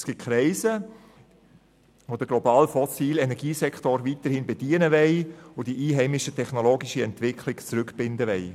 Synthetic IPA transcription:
sɡ̥ɪt̚kʰɾɛɪsə | ʋod̥əɡ̥lɔbɑːlfɔsiːlɛnɛɾɡiːsɛktoɾvit̪əɾhɪnbɛdiənəʋɛɪod̥iʔiːɦɛɪmɪʃətʰɛχnoloːɡiʃəɛntʋɪkʰlɪɡt͡sɾʏkb̥ɪndəʋɛɪ

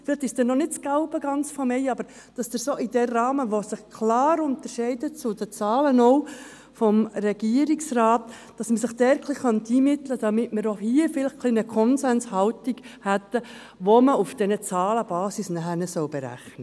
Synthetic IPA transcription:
fɪlɪχt̪ɪʃsd̥ɛnːɔnɪt̚t͡sɡ̥aʊbəɡɑnt͡sfɔmɛɪɑbəɾ | d̥ɑsd̥əɾsoʔɪdɛːɑːməʋosɪχkʰlɑːɾʊnt̪əɾʃɛɪdət͡sʊdət͡sɑːlənɔʊ | fɔmɾɛɡiəɾiksrɑːt̪ː | d̥ɑsməsɪχd̥ɛɾkʰlɪχχɑntiːmɪt̪ləd̥̪ɑmɪtməɾohiəfɪlɪχkʰlinəkʰɔnsɛnshɑltiɡhæt̪ə | ʋoməufd̥ɛnət͡sɑːləb̥ɑːsisnæχæɾnɛsœwb̥ɛɾæ̰χnə

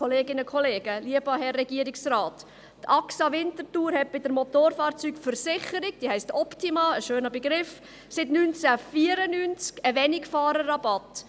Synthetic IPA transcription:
ɔleːɡɪnəkʰɔleːɡ̥əliəb̥ɑɦɛrːɛɡ̥iəɾɪksraːt | tɑksɑʋɪntətuːɾhɛt̚b̥ɪdəɾmɔtoːɾfɑːɾt͡syːkfəɾsɪχəɾɪɡ̚d̥iːhɛɪstɔptimɑəʃøːnəbɛɡɾɪf | sɪtnynt͡sæfiːəɾənynt͡skəʋɛnɪkfɑːɾərɑbɑt

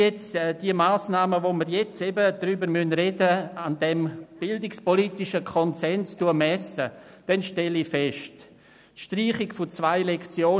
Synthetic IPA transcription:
ɛt͡sːd̥iəmaːsnaːməvoməɾjɛt͡sɛbədɾyːbəɾmynredəandɛmb̥ɪldɪkspolitɪʃəkʰɔnsɛnstuəmɛsə | d̥ɛnʃtɛlifɛʃt | ʃtriːχɪkfʊt͡svaɪlɛkt͡sjoː

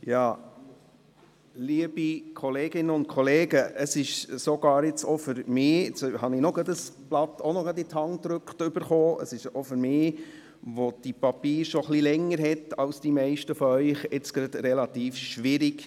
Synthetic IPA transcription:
jɑː | liəb̥ikʰɔleːɡ̥ɪnːəʊnt̚kʰɔleːɡəʔəsɪʃsɔɡɑːɾɪt͡sɔfʏɾmɪːɪt͡sɦɑnɪnɔɡɾɑd̪əsb̥lɑt̪ːonɔɡɑd̪itʰɑŋt̪ɾʉkχtʏb̥əɾχoːʔə̰sɪʃɔfʏɾmɪː | ʋod̥ipɑpiːɾʃɔχlilɛŋːəɾɦɛtɑlsd̥imɛɪʃtəfɔœʏχɪt͡sɡ̥ɾɑd̥̪ɾɛlɑt̪iːfʃʋɪɾik

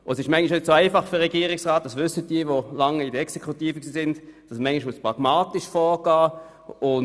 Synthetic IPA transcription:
ʊɛsɪʃmɛɪŋɪʃnʏtsoaɪfɑχføʁɛɡiːʁɪksʁaːt̚dɑsvʏsːət̚d̥iəvolɑŋidəɛksekʰχutiːfəksiːsɪndd̥ɑsmɛŋɪʃmʊspʁɑɡ̥maːtiʃfɔːʁɡ̥aː | ʊ

